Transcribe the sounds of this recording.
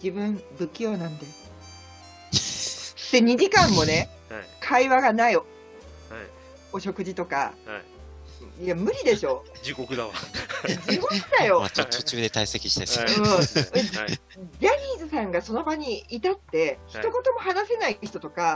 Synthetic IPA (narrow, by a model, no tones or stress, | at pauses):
d͡ʑibɯ̟̃mbɯ̟kʲːo̞ːnãnd̪e | sseɲ̟id͡ʑikãmːo̞ne̞ | kʰaiβaɡanai | o̞ɕo̞kɯ̟d͡ʑit̪o̞ka̰ | jamɯ̟ɾʲid̪e̞ɕo̞d͡ʑikokɯd̪a | d͡ʑiko̞kɯd̪ajo̞mat̪ot̪ot͡ɕɨːd̪e̞t̪aise̞kʲi̥ɕi̥t̪esɯː | jaɾʲiːzɨsãŋɡaso̞no̞baɲ̟iit̪at̪ːe̞çi̥t̪o̞ko̞t̪o̞mo̞hanase̞naiçi̥t̪ot̪oka